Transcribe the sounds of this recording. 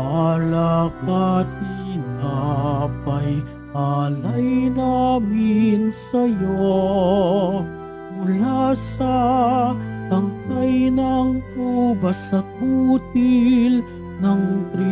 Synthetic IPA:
lakat̪inapɐj | palɐjnamɪnsɐjo | mʊlasɐ | t̪ɐŋkajnɐŋpubɐsɐk̚ut̪il | nɐŋt̪ɾi

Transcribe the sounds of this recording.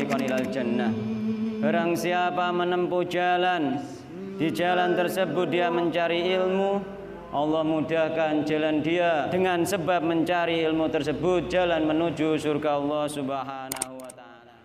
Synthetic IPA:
ikɔnilald͡ʒanːahb̥aɾaŋsiapamənəmpud͡ʒalan | d̥id͡ʒalant̪ərsəbʊt̪̚diaməɲt͡ʃaɾiɪlmu | ʔɑlːɔhmudakand͡ʒalandiadəŋansəbap̚məɲt͡ʃaɾiɪlmut̪ərsəbʊt̪̚d͡ʒ̥alanmənud͡ʒusurɡaɑlˠːɔhsubaɦanahuwat̪a | la

